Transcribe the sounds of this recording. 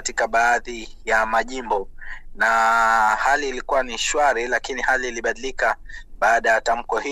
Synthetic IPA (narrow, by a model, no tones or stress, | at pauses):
atikaɓaːði | jamaʄimbɔnahaliːlikuwaniʃwaɾilakinihaliːliɓaɗilikaɓaːɗajatam̩kɔhi